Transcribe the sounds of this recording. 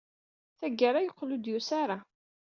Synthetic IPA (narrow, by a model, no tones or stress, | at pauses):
θæɡːaɾajəqːlud̪jusaɾa